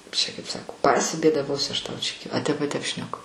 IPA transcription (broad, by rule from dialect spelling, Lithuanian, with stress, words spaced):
kɐɪp t͡ʃʲɛ kɐɪp ˈsɑːkoː pɐsʲɪbʲeːdɐˈʋoːsʲʊ ˈɐʃ ˈtɐʊ t͡ʃʲɛ ɐ ˈtʲɛp ɐ ˈtʲɛp ʃʲnʲɛˈkʊ